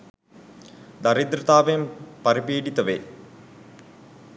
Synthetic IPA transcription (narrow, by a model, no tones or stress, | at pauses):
d̪ɐɾid̪ɾɐt̪aːʋempɐɾipiːɖit̪ɐʋe